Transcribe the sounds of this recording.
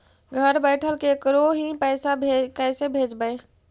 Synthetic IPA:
ɡʱəɾbəɪʈʰəlkekɾoɦĩpəɪsabʱekɛɪsebʱed͡ʒbə

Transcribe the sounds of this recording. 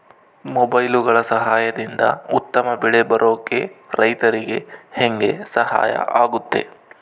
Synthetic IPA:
mɔbɐjluɡɐɭɐsɐɦaːjɐd̪ind̪ɐ̰ut̪ːɐmɐbiɭebɐɾʔoːkeɾɐjt̪ɐɾiɡe̞heŋɡe̞sɐha̰ːjɐ̰ʔaːɡut̪ːe̞̰

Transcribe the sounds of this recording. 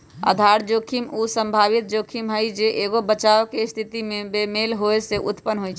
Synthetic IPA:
ə̰d̪ʱaɾd͡ʒokʰimusə̃mbʱaβit̪̚d͡ʒokʰimɦəjd͡ʒeʔeɡobət͡ʃawkest̪ʰit̪imebemelɦoeseʔṵt̪pənːɦojt͡ʃʰ

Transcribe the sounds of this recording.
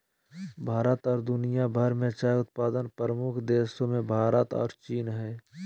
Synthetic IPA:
bʱaːɾət̪ɔːɾd̪ʊnijabʱəɾmẽt͡ʃaːjʊt̪̚paːd̪ənpɾəmʊkʰd̪eːsõmẽbʱaːɾət̪ɔ̰ːɾt͡ʃiːnɦɛː

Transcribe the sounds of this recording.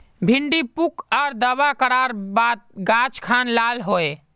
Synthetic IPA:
bʱiɳɖipukɔːɾd̪əbakəɽaɾbaːt̪̚ɡat͡ʃkʰanlaːlɦoe

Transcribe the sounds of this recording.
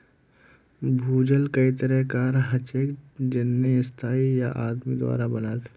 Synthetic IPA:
bʱuːd͡ʒəlkəit̪əɾɛɦkaːɾɦɐt͡ʃeːkd͡ʒɪnːiɪst̪ʰaːijaʔaːd̪mid̪wa̰ːɾabənaːt̪

